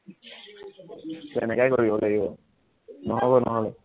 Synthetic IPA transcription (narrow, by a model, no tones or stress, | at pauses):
tɛ̰nɛkajkoɹibɔlaɡibɔ | nɔɦɔbɔnɔɦɔlɛ